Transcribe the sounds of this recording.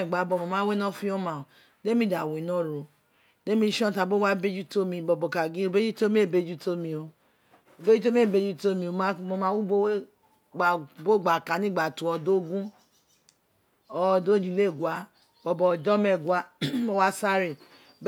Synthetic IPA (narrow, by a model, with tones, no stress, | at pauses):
ɛ˨ɡ͡ba˨˦bɔ˧˨mõ˧mãː˦we˦nɔ̃˦fĩ˦ɔ˦mã˨o˨ | de˦mĩ˧˨da˨wẽ˨nɔ̃˦ɾo˨ | de˦mĩ˧˦ʃɔ̃˦˨ta˧bo˦wa˦be˦d͡ʒu˦to˦mĩ˧bɔ˨bɔ˨ka˨ɡĩ˦o˨be˦d͡ʒu˦to˦mĩ˦e˦˨be˧˦d͡ʒu˦to˧˦mĩ˧o˧ | o˨be˦u˦o˦mĩ˦e˦˨be˧˦d͡ʒu˦to˦mĩ˧o˧˨mã˦mo˧mã˦wu˦bo˦e˦ | ɡ͡ba˨bo˦˨ɡ͡ba˨ka˨nĩ˦ɡ͡ba˨tũ˨˦ɔ˧do˦ɡũ˦ | ɔ˧do˦d͡ʒĩ˨˦˨le˦˨ɡwa˨˦ | b̥ɔ˧˨bɔ˨d͡ʒɔ˦mɛ˦˨ɡʷwa˨˦o˨˧wa˦sa˦ɾi˨ | b